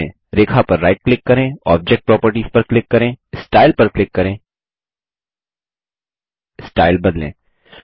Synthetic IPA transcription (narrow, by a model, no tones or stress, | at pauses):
ẽː | ɾeːkʰapɐɾːaːɪʈ̚klɪkːɐɾẽːɔːb̚d͡ʒɛk̚ʈ̚pɾɔːpəɾʈispɐɾklɪkːɐɾẽːsʈaːɪlpɐɾklɪkːɐɾẽː | sʈaːɪlbɐd̪lḛ̃ː